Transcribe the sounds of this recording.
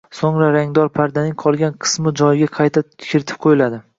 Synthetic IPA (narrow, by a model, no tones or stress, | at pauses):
soŋɾaɾaŋd̪ɒɾpʰaɾd̪anɪŋqʰɒlˠɡʲanqʰɨ̥smɪd͡ʒɒjɪɡʲaqʰɑjt̪ʰḁkʲɪɾɪt̪ʰɪ̥p̚qʰojɪlad̪ɪ